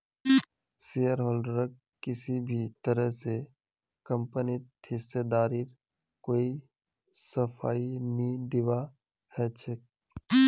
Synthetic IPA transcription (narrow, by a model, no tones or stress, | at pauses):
siːjəɾɦɔːlɖəɾək | kɪsibʱit̪əɾəɦse | kə̃mpənit̪ʰɪsed̪aːɾiɾ | koːi | səfʰaːinid̪ɪʋa | hɛt͡ʃʰək̚